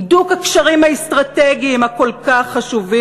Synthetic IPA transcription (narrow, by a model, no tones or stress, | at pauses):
dukakʃaʁimhaest̪ʁateɡiimhako̞lkaχːaʃuvi